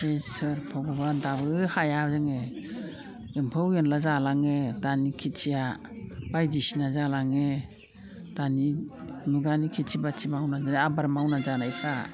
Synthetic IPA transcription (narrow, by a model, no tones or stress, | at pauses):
esɯɾpʰaɡubandabɯhajazaŋe | jɯmpʰɯwjenlazalaŋedanikʰit͡ʃʰija | bajdisinazalaŋe | d̥aninuɡanikʰitʰibatʰimawnazaniabaɾmawnazanajkʰa